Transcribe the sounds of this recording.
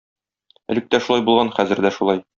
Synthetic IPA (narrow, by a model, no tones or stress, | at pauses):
æ̰lɘ̆k̚t̪æʃulˠɑjbulˠʁɑnχæzɘ̆ɾd̪æʃulˠɑj